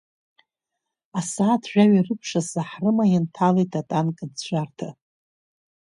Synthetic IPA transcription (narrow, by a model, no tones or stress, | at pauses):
asaːtʰʒᶣaɥirɨpʰʂasaħrɨmajɪntʰalejtʰatʼankʼadt͡ɕʷʰʼartʰa